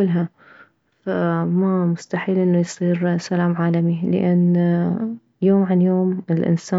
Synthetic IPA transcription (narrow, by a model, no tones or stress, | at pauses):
ʊlːɦa | famamʊst̪aħiːlʔɪnːujsˤiːɾsalaːmʕaːlamilɪ̰ʔanː | joːmʕanjoːmɪlʔɪ̰nsaː